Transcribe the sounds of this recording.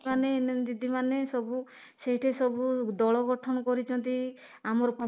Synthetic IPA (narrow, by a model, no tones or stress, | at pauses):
aned̪id̪ʱimanesɔbu | seɦjʈʰesɔbud̪ɔɭɔɡɔʈʰɔñɔkɔɾit͡ʃʰɔnt̪i | amɔɾɔku